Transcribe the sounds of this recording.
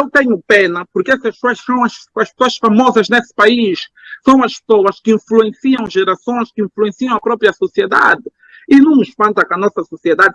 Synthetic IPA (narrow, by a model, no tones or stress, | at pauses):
ewt̪ẽɲʊpenɐpʊɾkɛsɐʃsoɐʃsɐ̃w̃ɐʃɐʃpsoɐʃfamɔzɐʒnesɨ̥paiʃsɐ̃w̃ɐʃpsowɐʃkĩfluẽsiɐ̃w̃ʒeɾasõj̃ʃkɨĩfluẽsiɐ̃w̃ɐpɾɔpɾjɐsosied̪a̰d̪ɪ | inɐ̃w̃ʊʃpɐ̃nt̪ɐkɐnɔsɐsosied̪ad̪